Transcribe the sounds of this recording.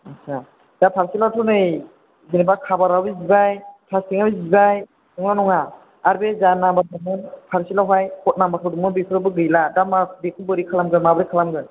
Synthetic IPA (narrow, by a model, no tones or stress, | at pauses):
asa | d̥apʰaɾsilatʰɔnɯj | zinibakʰabaɾawizibajpʰastiŋabizibaj | nɔŋnanɔŋa | aɾbezanabaumɯnpʰaɾsilaɦajkɔt̚namatʰɯdumɯnbikʰɯɾabɯɡɯjladamabekʰubɯɾikʰalamɡɯnmabɯɾikʰalamɡɯn